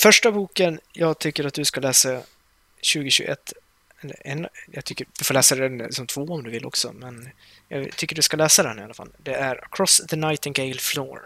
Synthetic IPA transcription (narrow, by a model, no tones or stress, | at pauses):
fœʂʈabuːkənjɑːɡt̪ʰʏkːəɾat̪̚d̪ɵskalɛːsa | ɕʉ̟ːɡəɕʉ̰ːɡʔɛ̰t̪ː | ɛlːə̰ɛnjɑ̰ɡt̪ʰʏkːədɪfoːlɛːsad̪ɛnsɔmt̪ʰvoːɔmd̪ɵvɪlʔɔ̰ksɔ̰mɛn | jɑ̰ːt̪ʰʏkːəɖɵskalɛːsad̪ɛnɪa̰lːafa̰lːd̪ɛæɾə̰kʰɾɔsðənaɪt̪ɪnɡeɪlflo̰ːɾ